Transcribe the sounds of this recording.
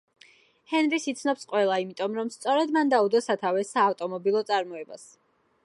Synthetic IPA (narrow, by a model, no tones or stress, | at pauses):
hɛnɾisit̪sʰnɔpsqʼwɛlˠaimit̪ʼɔmɾɔmst̪sʼɔɾɛd̪mand̪aud̪ɔsat̪ʰavɛsaːft̪ʼɔmɔbilˠɔt̪sʼaɾmɔɛba̰s